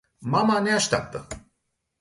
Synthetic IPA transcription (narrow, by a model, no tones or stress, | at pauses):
mamaneaʃt̪ʲa̰p̚t̪ə